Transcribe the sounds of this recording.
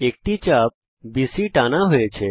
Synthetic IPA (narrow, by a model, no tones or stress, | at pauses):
ek̚ʈit͡ɕap̚ | bisiʈanaɦoet͡ɕʰe